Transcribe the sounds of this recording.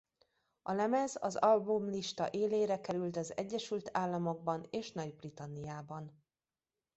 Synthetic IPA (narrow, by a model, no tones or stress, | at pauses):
ɒlɛmɛzɒzɒlbumliʃt̪ɒ̰ʔeːleːɾɛkɛɾylt̪ɒzɛɟːɛʃylt̪ʰaːlːɒmo̞ɡ̚bɒneːʃnɒɟbrit̪ɒnːijaːbɒn